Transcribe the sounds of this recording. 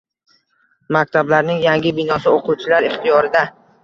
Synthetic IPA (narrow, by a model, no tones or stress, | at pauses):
mak̚ʲt̪ʰablaɾnɪŋjaŋɡʲɪbɪnɒsɪoqʰʊwt͡ʃʰɪlaɾɪχt̪ʰijɒɾɪd̪a